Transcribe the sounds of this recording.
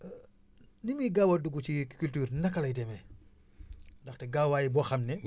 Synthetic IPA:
nimiɡawɐduɡut͡ʃikkyltyːɾnɐkːɐlɐjdɛmɛ | ndɐxtɛɡawaːjibɔxɐmnɛ

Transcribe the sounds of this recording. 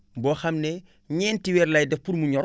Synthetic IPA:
bɔːxɐmnɛ | ɲɛːntiwɛːɾlɐjdɛpuɾmuɲɔɾ

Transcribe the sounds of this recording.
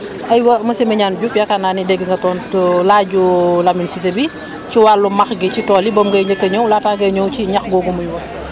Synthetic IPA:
ʔɐjwɐmɐsimɐɲaːnɟufjakananidɛɡːiŋɡɐtɔːnlaɟulaminsisebi | ciwalːumɐxɡicitɔːlibɔmɡɐjɲəkːɐɲɔwlaːtaːɡɐɲɔwciɲɐxɡɔɡumujwɐ

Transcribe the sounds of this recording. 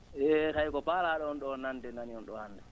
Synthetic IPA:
ʔɛːtajkɔpaːlaːɗɔnɗɔnandɛnaniɔnɗɔhanda

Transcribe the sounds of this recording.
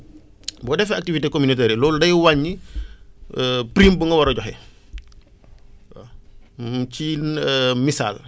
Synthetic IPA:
bɔdɛfɛak̚tivitekominotɛɾilɔːldɐjwaɲːi | pɾimbuŋɡɐwaɾɔɟɔɦḛ | ci | misa̰ːl

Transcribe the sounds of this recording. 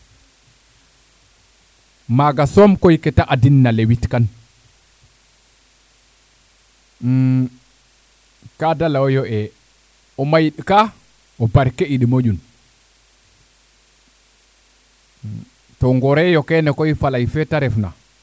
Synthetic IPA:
maɡasɔmkojkɛtaʔadinːalewitkan | kadalaɔjɔʔɛ | ɔmajiɗika | ɔbaɾkɛiɗimod͡ʒun | tɔŋɡɔɾɛjɔkɛnɛkɔjfalajfɛtaɾɛfna̰

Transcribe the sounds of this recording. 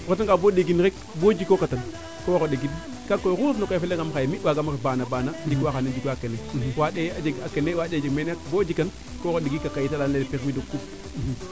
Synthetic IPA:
kot̬aŋkaboɗeɡinɾek̚ | bod͡ʒikːokatan | koɣoɗeɡid | kakːojɣuafnokojfelaŋɡamxajmiwaɡamɾebanabanad͡ʒikwaxanad͡ʒikakenewaɗead͡ʒeɡakenewaɗed͡ʒemenakbod͡ʒikːan | koɣoɗeɡikakajitalanlelpixmidokːup̚

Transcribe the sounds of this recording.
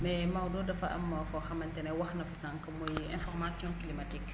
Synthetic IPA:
mɛmawdɔːdɐfɐʔɐ̰mːɐfɔxɐmɐntɛnɛwɐxnɐfisãŋkɐmujɛ̃fɔrmasjɔ̃kilimatik

